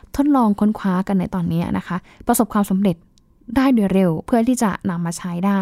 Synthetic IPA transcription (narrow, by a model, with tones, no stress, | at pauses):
t̪ʰo˦˥t̪̚lɔː˧ŋkʰo˦˥nkʰwaː˦˥ka˧nːa˧jt̪ɔː˧nːiː˦˥ɐnʔa˦˥kʰa˦˥ | pɾa˧so˨˩p̚kʰwaː˧msa˨˩˦mɾe˨˩t̪̚ | daː˥˩jdu˧˩əɾe˧wpʰɯ˥˩ɐt̪ʰiː˥˩t͡ɕa̰˨˩na˧mːaː˧t͡ɕʰa˦˥jdaː˥˩